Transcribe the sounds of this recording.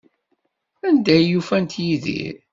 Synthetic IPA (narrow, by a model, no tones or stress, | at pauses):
ænd̪æjːufænt̪jiðḭɾ